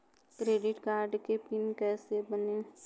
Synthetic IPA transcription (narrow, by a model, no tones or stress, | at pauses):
kɾeːɖɪʈkaːɾɖkepɪnkɛːsebəneː